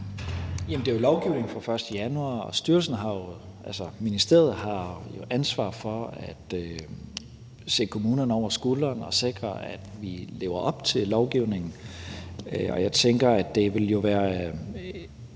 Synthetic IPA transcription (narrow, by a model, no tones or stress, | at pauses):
jæmn̩d̥e̝æo̝lɒʊɡ̥iʊ̰ne̝ŋ̩fʁɑ̈fɶɐsd̥əjænuɑ̰̈ːɒsd̥yɐlsn̩ɦɑ̈jo | ʔælsɐminisd̥e̝̰ɐð̩ˠɦɑ̈jo̝ʔænsʋɑ̰̈ːfɒ̽æd̥ø | se̝̰ːkʰo̝muːnɐnɒʊ̰ɐsɡ̥olɐnɒ̽se̝ɡ̥ʁɐæd̥ʋile̝̰ːʊɐʔɒ̽b̥t͡sʰe̝llɒʊɡ̥iʊne̝ŋn̩ | ɒjɑ̈ɪt͡sʰeŋɡ̥ɐæd̥e̝ʋe̝ljo̝ʋæːɐ